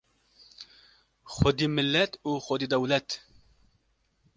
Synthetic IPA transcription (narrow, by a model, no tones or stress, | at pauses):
xʊd̪iːmɪlːɛt̪uːxod̪iːd̪ɛwlɛt̪